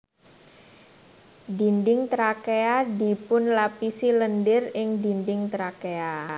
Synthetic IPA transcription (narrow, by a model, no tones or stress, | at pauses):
dindɪŋt̪ɾakeadipʊnlapisiləndɪrɪŋdindɪŋt̪ɾakea